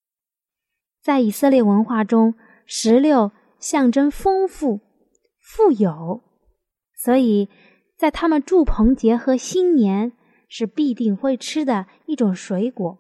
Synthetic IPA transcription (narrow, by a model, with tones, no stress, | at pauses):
t͡sa˥˩ɪi˨˩sɤ˥˧ljɛ˥˩wə˧˥nxwa˥˩ʈ͡ʂʊ˥ŋ | ʂɻ̩˧˥ljo˥˩ʊ | ɕjɑ˥˩ŋʈ͡ʂə˥nfɤ˥ŋfu˥˩ | fu˥˩jo˨˩˦ʊ | swɔ˧˥i˨˩˦ | t͡sa˥˩ɪt̪ʰa˥mə˨nʈ͡ʂu˥˩pʰɤ˧˥ŋt͡ɕjɛ˧˥xɤ˧˥ɕi˥nnjɛ˧˥n | ʂɻ̩˥˧pi˥˧t̪i˥˩˧ŋxwe˥˩ɪʈ͡ʂʰɻ̩˥d̪ə˨ | i˥˩ʈ͡ʂʊ˨˩ŋʂwe˧˥ɪkwɔ˨˩˦